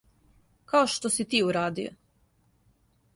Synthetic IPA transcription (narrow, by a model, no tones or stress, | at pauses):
kaoʃt̪osit̪iːuɾaːd̪io̰